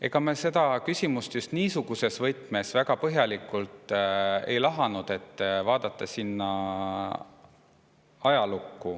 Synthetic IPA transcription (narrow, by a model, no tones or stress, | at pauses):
e̞ɡ̥ɑmese̞d̪̥ɑkysʲimust̪just̪niːsuɡ̥use̞svɤjt̪ˑme̞svæɡɑpɤɦjɑlikːˑult̪ˑḛjlɑɦɑnud̪̥e̞t̪ːvɑːd̪̥ɑt̪ːˑɑsinːɑ | ɑjɑlukːu